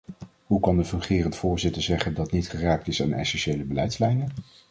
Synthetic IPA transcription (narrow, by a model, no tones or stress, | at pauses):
ɦukɑndəvɵnχɪːrəntfʊːɹzɪtəɹzɛχəndɑtnitχəraːk̚tɪsaːnɛ̰sɛnʃejləbəlɛjtslɛjnən